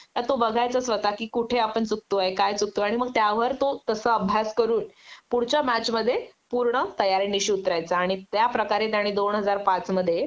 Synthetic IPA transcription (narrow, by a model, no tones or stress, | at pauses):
t̪ət̪obəɡʱajt͡səsʋət̪akiːkuʈʰeapəɳt͡suk̚t̪oajkajt͡suk̚t̪oaɽ̃iməɡ̚t̪jaʋəɾt̪ot̪əsəːəbʱjaskəɾuːnpuɽt͡ɕamæt͡ɕməd̪ʱːjepuɾɳət̪əjaɾiniɕiut̪ɾajt͡saːɽ̃it̪japɾəkaɾet̪jaɽ̃id̪onɦəd͡zaɾpat͡sməd̪ʱːje